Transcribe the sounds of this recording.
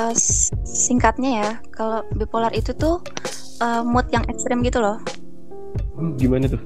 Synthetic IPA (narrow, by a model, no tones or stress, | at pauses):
ə | siŋkat̪̚ɲaja | kalobipolarʔit̪ut̪ʊ | ʔəmɔt̪̚jaŋʔɛkst̪ɾɪmɡit̪ulɔh | ɡimanat̪ʊ